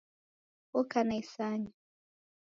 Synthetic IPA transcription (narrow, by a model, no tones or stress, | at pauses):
ɔkanaisaɲa